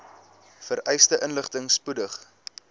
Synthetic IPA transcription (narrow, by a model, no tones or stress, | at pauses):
fəɾʔɛjstəʔənləχtəŋspudəχ